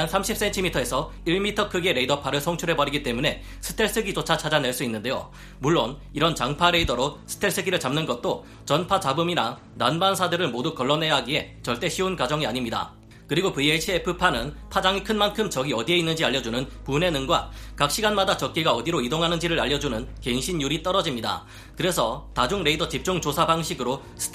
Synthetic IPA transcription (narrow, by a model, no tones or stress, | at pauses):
nsʰamɕʰip̚s͈e̞ntʰimitʰʌe̞sʰʌ | iɭmitʰʌkʰɯɡie̞ɾe̞idʌpʰaɾɯɭsʰoŋt͡ɕʰuɾɦe̞bʌɾiɡit͈e̞mune̞ | sʰɯ̥tʰe̞ɭs͈ɯɡit͡ɕot͡ɕʰat͡ɕʰad͡ʑane̞ɭs͈uinːɯnde̞jo̰ | muɭːoniɾʌnt͡ɕaŋpʰaɾe̞idʌɾosʰɯ̥tʰe̞ɭs͈ɯɡiɾɯɭt͡ɕamnɯnɡʌt̚t͈o | t͡ɕʌnpʰat͡ɕabɯmina̰ | nanbansʰadɯɾɯɭmodukʌɭːʌne̞jaɦaɡie̞t͡ɕʌɭt͈e̞ɕʰiunkwad͡ʑʌŋiaɲimɲida̰ | kɯɾiɡopɯet͡ɕʰiepʰɯpʰanɯnpʰad͡ʑaŋikʰɯnmankʰɯmt͡ɕʌɡiʌdie̞inːɯnd͡ʑiaʎːjːʌd͡ʑunɯnpune̞nɯŋɡwakak̚ɕ͈iɡanmadat͡ɕʌk̚k͈iɡaʌdiɾoidoŋɦanɯnd͡ʑiɾɯɾaʎːʌd͡ʑunɯnke̞ŋɕʰinjuɾit͈ʌɾʌd͡ʑimɲida̰ | kɯɾe̞sʰʌtad͡ʑuŋɾe̞idʌt͡ɕip̚t͡ɕ͈uŋt͡ɕosʰabaŋɕʰiɡɯɾo | sʰɯ̥tʰ